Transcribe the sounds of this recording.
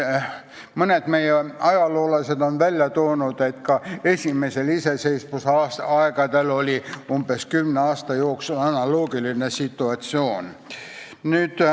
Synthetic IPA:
moned̪meijeɑjɑloːlɑset̪onʋælʲjæt̪oːnut̪et̪kɑesʲimeiseliseseismusɑsɑikɑd̪elolʲiumbeskymneɑːst̪ɑjoːksulɑnɑloːɡilinesit̪ːuɑt̪sʲioːn | nyt̪

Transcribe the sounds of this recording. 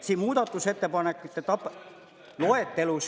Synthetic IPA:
siːmuːd̪ɑt̪ːˑuset̪ːepɑnekːˑut̪ːet̪ɑp | loet̪ːelus

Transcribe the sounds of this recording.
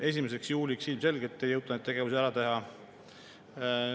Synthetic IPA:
e̞s̬ʲimese̞ksjuːlʲiksilmse̞lɡ̥e̞t̪ːˑe̞jɤwt̪ːˑɑned̪eɡ̥e̞vuseæɾɑt̪e̞ɦɑ

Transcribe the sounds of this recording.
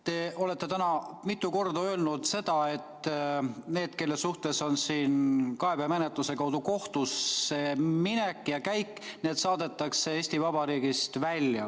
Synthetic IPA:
t̪e̞ʔo̞le̞t̪ːe̞t̪ænɑmit̪ːˑuko̞rd̪ɑø̞ːlnud̪se̞d̪̥ɑe̞t̪ː | ne̞ːd̪̥ke̞lːe̞suht̪e̞so̞nsiːnkɑe̞beɑmenet̪ˑluse̞kɑwd̪̥uko̞ht̪useminekːˑjɑkæjkːne̞ːt̪sɑːd̪e̞t̪ːˑɑkse̞eːsʲt̪ivɑb̥ɑɾiːɡist̪vælʲjɑ̰

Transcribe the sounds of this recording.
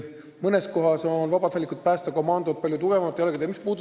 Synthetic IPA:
mɤnesko̞ɦɑso̞nvɑbɑt̪hælʲːikːˑut̪̚pæːst̪ɑko̞mɑnd̪ot̪̚pɑlʲjut̪uɡ̥evɑmɑt̪ejɑlɡeemispuːd̪u

